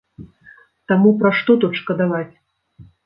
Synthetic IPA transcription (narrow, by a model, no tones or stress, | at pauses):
t̪amupɾaʂt̪ɔt̪ɔt̪ʂkɐd̪avat͡sʲ